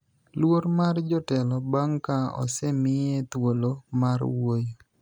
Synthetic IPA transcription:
lwoɾmard͡ʒɔtɛlɔbaŋkaɔ̰sɛmɪjet̪wolomarwojo

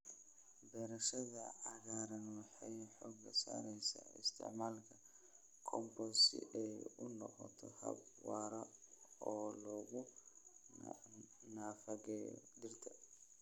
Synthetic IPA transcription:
bɛːɾɐʃɐðɐʕɑɣaːɾɐnwɑħɑjħɔːɡːɐsa̰ːɾɛjsaːɪ̰st̪ʰɪ̰ʕmaːlkʰɐ | kʰɔmbɔsɪ̰ʔɛjʊnɔqɔ̰t̪ʰɔhɐ̰b̚wɑːɾɐɔːlɔːɣʊ | naːfɐɣɛjɔ̰dɪrt̪ʰɐ

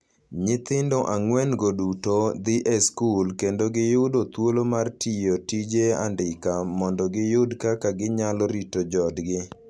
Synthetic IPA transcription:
ɲɪt̪ɪndoʔaŋwɛnɡodutod̪ɪʔeskulkendoɡɪjʊdot̪wolomartijotid͡ʒea̰ndɪkamɔndɔɡɪjʊdkakaɡɪɲalɔɾitod͡ʒɔdɡɪ

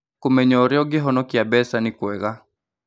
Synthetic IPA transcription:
kumɛɲɔːɾjɔɡɪɦɔnɔkiabɛsanɪkwɛɣa

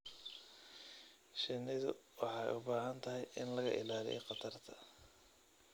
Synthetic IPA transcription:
ʃɪnːɪðʊ̰wɑħɑːjʊbaːɦɐnt̪ʰɐɦɛjɪnlɐɣɐ̰ʔɪ̰laːlḭjqɑt̪ʰɐrt̪ʰɐ̥

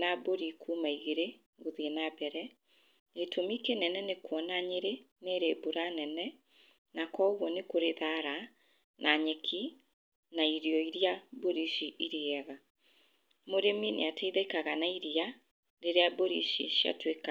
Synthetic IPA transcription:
naboɾikʰumaiɣeɾe | ɣoðienabɛɾɛ | etʰomikenɛnɛnekwɔnaɲeɾe | neːɾeboɾanɛnɛ | nakɔoɣwɔnekoɾeðaɾa | nʔaɲɛkʰi | naiɾiɔiɾjaboɾiʃiʔiɾiɛɣa | moɾeminḛatʰɛiðɛkaɣanaiɾia | ɾeɾeaboɾḭʃḭʃja̰tweka

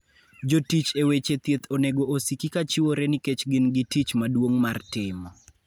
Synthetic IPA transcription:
d͡ʒotit͡ʃewet͡ʃet̪jet̪ʰoneɡoosikikat͡ʃɪwoɾenɪket͡ʃɡɪnɡɪtit͡ʃmadwoŋmartɪmɔ

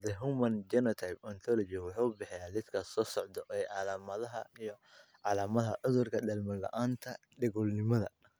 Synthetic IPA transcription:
d̪ɛɦumɐnd͡ʒɛnɔt̪ʰajbɔnt̪ʰɔlɔd͡ʒɪwʊħuʊbɑħɛjaːlɪd̪kʰɐsɔːsɔʕd̪ɔʔɛjʕɑlaːmɐðɐɦɐijɔ | ʕɑlaːmɐðɐʕʊðʊrkʰɐɗɐlmɐlɐ̰ʔaːnt̪ʰɐ | ɖɛɣɔlnɪmɐðɐ̰

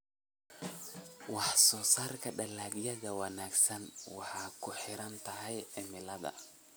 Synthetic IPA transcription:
wɑħsɔːsaːrkʰɐɖɐlaːɡjɐðɐwɐnaːɡsɐnwɑħɑːkʰʊħɪɾɐnt̪ʰɐɦɛjʕɪmɪlɐðɐ̰

